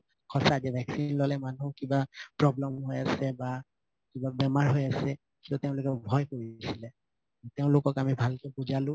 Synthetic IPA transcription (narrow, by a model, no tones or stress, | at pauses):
kʰɔsazɛbʱɛksinlolɛmanukibapɹɔblɛmɦojasɛba | kibabɛmaɹɦojasɛ | kitʊteʊ̃lʊkɛbʱɔjkoɹisilɛ | teʊ̃lʊkɔkamibʱalkɛbuzalʊ̃